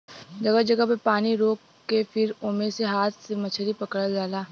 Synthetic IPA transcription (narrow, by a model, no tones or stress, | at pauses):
d͡ʒɐɡəd͡ʒɐɡəpepaːniɾoːkːepʰɪɾʊːmeseɦaːt̪ʰsemɐt͡ʃʰəɾipɐkəɽəldaːlaː